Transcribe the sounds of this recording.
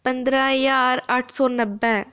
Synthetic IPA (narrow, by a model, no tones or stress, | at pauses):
pɐnd̪ɾaːjaːɾaːʈʰsoːnɐbːɛ